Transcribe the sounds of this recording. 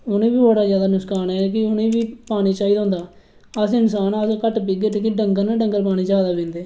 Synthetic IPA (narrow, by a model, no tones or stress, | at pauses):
ʊnẽːbiːbəɽaːzjaːd̪aːnʊkskaːnɛːk̬ɪʊnẽːbiːpaːñiːt͡ʃaːiːd̪aõːnd̪aː | əsɪnsaːnəskəʈbɪɡəʈkɪɖəŋɡəɾnaːɖəŋɡəɾpaːɽ̃ĩːd͡ʒaːd̪aːbɪ̃ːnd̪eː